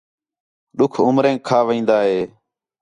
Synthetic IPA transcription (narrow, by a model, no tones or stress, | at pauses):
ɗʊkʰʊmɾẽːkʰːaːʋĩːnd̪aːɦeː